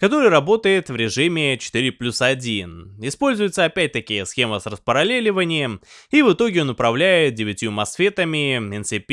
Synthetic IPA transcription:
kɐt̪o̞ɾɨjɾɐbo̞t̪əjɪt̪vɾʲɪʐɨmʲɪt͡ɕɪ̥t̪ɨɾʲɪplʲusɐdʲinɪspo̞lʲzʊjʊt̪səɐpʲæt̚ʲt̪ɐkʲɪjəsxʲe̞məsrəspəɾɐlʲelʲɪvənʲɪjəmivɨt̪o̞ɡʲɪonʊpɾɐvlʲæjɪt̪̚dʲɪvʲɪtʲjumɐsfʲe̞t̪əmʲɪɪnsʲɨpʲ

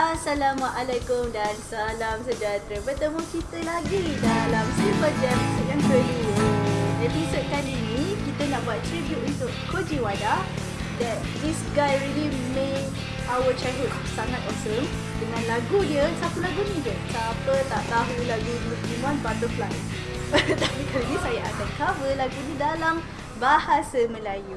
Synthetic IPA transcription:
asalamaʔalakumdansalamsəd͡ʒat̪ɾəbət̪əmuht͡ʃit̪əlaɡidalamsibəd͡ʒɛmsəkãntelijəɛ̃tisəkaninĩkit̪ənaʔbuat̚t̪ɾibjuʔunt̪uʔkʰod͡ʒiwada | d̪ɛt̪̚d̪isɡajɹili | me | ʔawət͡ʃajɦud̚ | saŋat̪ɔsəm | dəŋãnlaɡudiəsapəlaɡunĩdiəsapət̪aʔt̪aɦulaɡudimãnbat̪əfla | t̪apikalənĩsajaa̰kat̚kavəlaɡunidalam | bahasəməlaju

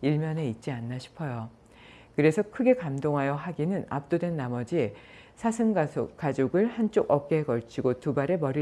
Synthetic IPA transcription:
iɭmjʌne̞it̚t͡ɕ͈ianːaɕʰi̥pʰʌjo | kɯɾe̞sʰʌkʰɯɡe̞kamdoŋɦajʌɦaɡinɯna̰p̚t͈odwe̞nːamʌd͡ʑie | sʰasʰɯnɡk͈ad͡ʑoɡɯɭhant͡ɕ͈oɡʌp̚k͈eekʌɭt͡ɕʰiɡotubaɾe̞mʌɾi

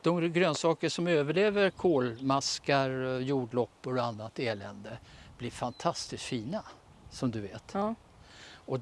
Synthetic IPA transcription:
d̪̥ɔmɡɾøːnsɑːkəʂɔmøːvəɭeːvəɾkʰoːlmaskaɾjuːɖɭɔpːɔɾanːat̪ːeːlɛnd̪əb̥lɪɾfant̪ʰast̪ɪst̪fiːna | sɔmd̪ɵveːt̪ | ɔ

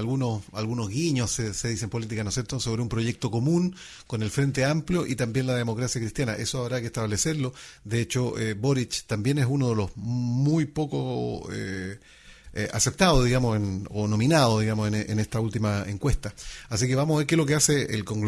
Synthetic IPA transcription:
lɣunosalɣunozɣiɲosseseðisempo̞lit̪̬ikanosje̞ɾt̪oso̞βɾeumpɾo̞ʝek̚t̪o̞ko̞mun | konelfɾe̞nt̪̬eampljoʔit̪ambje̞nlaðemo̞kɾasjakɾist̪janaʔesoaβɾakeht̪aβleseɾlod̪eet͡ʃoeboɾit͡ʃt̪ambje̞nesunoðelo̞zmujpo̞koḛ | a̰se̞p̚t̪aðoðiɣamosenono̞minaðoðiɣamoseneʔenest̪ault̪imaeŋkwe̞st̪aasike̞βamoaβeɾkelo̞k̬easḛːlkoŋɡ

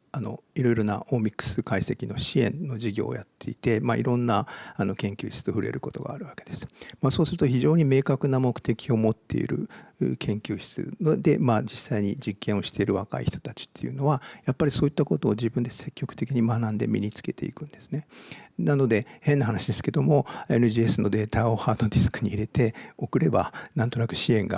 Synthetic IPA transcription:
ano̞̰iɾo̞iɾo̞na̰ʔomʲikɯ̥sɨkaise̞kʲino̞̰ɕiẽ̞̰nːo̞d͡ʑiɡʲo̞̰ːjat̪ːe̞it̪e̞maḭɾõ̞nːaano̞kẽ̞ŋkʲɨ̰ːɕi̥t͡sɨ̥t̪o̞ɸɯ̟ɾe̞̰ɾɯ̟ko̞t̪o̞̰ɡa̰ːɾɯ̟βake̞d̪esɨ̥maso̞ːsɨɾɯ̟t̪o̞çiʑo̞ːɲ̟ime̞ːkakɯ̟namo̞kɯ̟̥t̪e̞kʲʰio̞mo̞t̪ːe̞̰ḭɾɯ̟̰ɯ̰kʰẽ̞ŋkʲɨːɕi̥t͡sɨ̰nod̪e̞maːd͡ʑisːaiɲ̟id͡ʑikːẽ̞o̞ɕi̥t̪e̞iɾɯ̟βaka̰ḭçi̥t̪o̞t̪at͡ɕi̥t̪ːe̞jɯ̟̰no̞βajapːaɾʲiso̞ːit̪ːako̞t̪o̞ːd͡ʑibɯ̃nd̪e̞se̞kʲːokɯ̥t̪e̞kʲiɲ̟imanãnd̪e̞̰mʲḭɲit͡sɨ̥ke̞t̪e̞̰ḭkɯ̟̃nd̪e̞sɨ̥ne̞nano̞d̪e̞he̞nːaɦanaɕid̪e̞sɨ̥ke̞d̪omo̞e̞nɯ̟ʑiːesɨno̞d̪e̞ːt̪ao̞haːd̪od̪ʲisɨ̥kɯ̟ɲ̟iiɾe̞t̪e̞o̞kɯ̟ɾe̞ba̰nãnt̪o̞nakɯ̟̥ɕiẽ̞ŋɡa̰

